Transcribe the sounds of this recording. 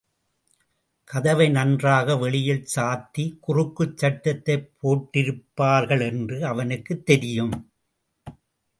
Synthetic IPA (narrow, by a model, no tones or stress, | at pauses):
kɐðɐʋɐɪnɐndraːɣɐʋɛɭɪjɪlsaːt̪ːikʊrɯkːɯt͡ʃːɐʈːɐt̪ːɐɪpʰːoːʈːɪɾɯpːaːɾɣɐɭɛndrɯɐʋɐnɯkːɯt̪ːɛɾɪjɯm